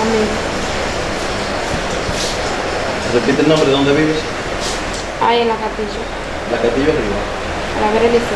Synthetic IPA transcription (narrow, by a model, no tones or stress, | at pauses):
amiɣo | repit̪elnõmbɾeðond̪eβiβes | ajelakat̪iʎa | lakat̪iʎariβa | a̰laβeɾelist̪